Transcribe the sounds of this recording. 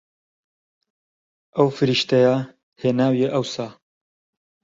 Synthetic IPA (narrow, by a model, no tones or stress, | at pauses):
ɐwfɨɾiʃt̪ɐja | heːnaːwjeʔɐwsaː